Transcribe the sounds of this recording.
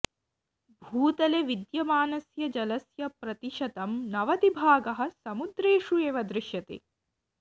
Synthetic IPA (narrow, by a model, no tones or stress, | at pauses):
bʱuːt̪ɐleʋid̪jɐmaːnɐsjɐd͡ʒɐlɐsjɐpɾɐt̪iʃɐt̪ɐmnɐʋɐt̪ibʱaːɡɐɦɐ̆sɐmud̪ɾeːʂueːʋɐd̪ɾɪʃjɐt̪ḛ